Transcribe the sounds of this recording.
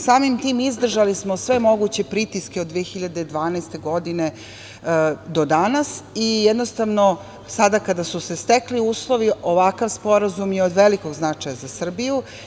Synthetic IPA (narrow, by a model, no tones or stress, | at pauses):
saːmimt̪iːmizd̪r̩ʒalismosʋe̞mo̞ɡut͡ɕe̞pɾit̪iskeod̪ːʋeexiʎad̪ed̪ʋaːnɛst̪e̞ɡo̞d̪ine | d̪od̪anasijed̪nost̪aʋno | sad̪akad̪asusest̪ekliuːslˠoʋiʔo̞ʋakaʋspo̞ɾazumjeod̪ʋeliko̞ɡznat͡ʂajazasr̩biju